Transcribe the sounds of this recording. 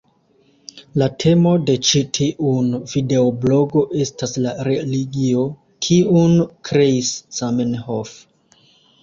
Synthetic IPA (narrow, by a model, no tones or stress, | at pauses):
latʰe̞mo̞de̞t͡ʃitʰiʔunvide̞oblo̞ɡo̞ʔe̞staslaɾeliɡio̞ | kʰiunkɾe̞isːamenhof